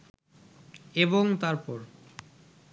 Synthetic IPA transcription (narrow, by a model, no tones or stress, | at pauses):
eboŋt̪aɾpɔɾ